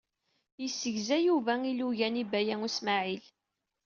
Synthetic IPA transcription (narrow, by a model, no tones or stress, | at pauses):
jəsːəʝzæjuvæiluʝænibæjæŋusmaʕil